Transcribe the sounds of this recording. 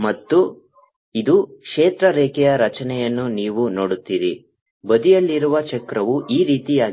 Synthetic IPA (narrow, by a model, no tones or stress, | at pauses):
mɐt̪ːu | id̪ukʂeːt̪ɾɐɾɛːkɛjɐɾɐt͡ʃɐnɛjɐnːuniːʋunoːɽut̪ːiːɾi | bɐd̪ijɐlːiɾuʋɐt͡ʃɛkɾɐʋuʔiːɾiːt̪ijaː